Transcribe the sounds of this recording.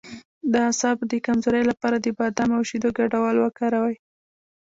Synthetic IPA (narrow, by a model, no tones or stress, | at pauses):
d̪əasɑbd̪əkamzoɾəjlapɑɾad̪əbɑd̪amawʃid̪oɡaɖawɑlwəkɑɾawaj